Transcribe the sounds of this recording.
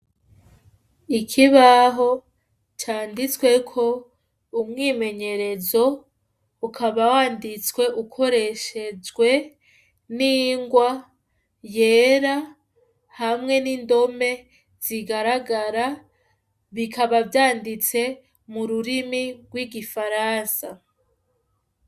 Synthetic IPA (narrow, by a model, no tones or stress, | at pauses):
ikʰiβaɦo̞ | t͡ʃaːndit͡swe̞kʰo̞ | umŋiːme̞ɲe̞ɾe̞zo̞ | ukʰaβawaːndit͡skwe̞ʔukʰo̞ɾe̞ʃe̞zɡwe̞ | niŋɡwa | je̞ːɾa | hamŋe̞nindo̞me̞ | z̥iɡaɾaɡaɾa | βikʰaβavjaːndit͡se̞ | muɾuɾimiɡwiɡifaɾaːnsa